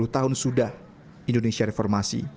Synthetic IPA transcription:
luht̪aɦʊnsudah | ʔindonesiaɾefɔrmasḭ

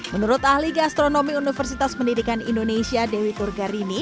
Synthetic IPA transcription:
mənuɾʊt̪ahliɡast̪ɾonomiunifərsit̪aspəndidikanḭndonesiadewit̪urɡaɾini

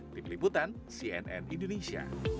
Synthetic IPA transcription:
t̪imliput̪an | siɛnɛ̰nʔindonesia̰

